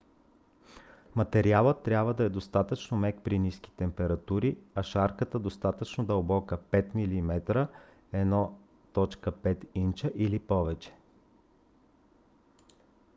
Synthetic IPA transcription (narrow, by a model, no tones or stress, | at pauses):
mɐt̪ɛɾialˠət̪ːɾʲabvəd̪ɐɛd̪ost̪at̪ət͡ʃnomɛkpɾinisk̟ʲi̥t̪ɛmpɛɾɐt̪uɾiɐʃaɾkət̪əd̪ost̪at̪ət͡ʃnod̪əlˠbɔkəpɛt̪milimɛt̪ɾə | ɛnɔ | t̪ɔt͡ʃkəpɛt̪int͡ʃəʔilipɔvɛt͡ʃɛ̥